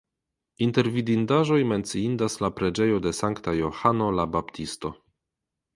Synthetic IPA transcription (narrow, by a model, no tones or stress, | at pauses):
inte̞ɾvidindaʒo̞jme̞nt͡siindaslapɾe̞d͡ʒe̞jo̞de̞saŋktajo̞hano̞labaptʰisto̞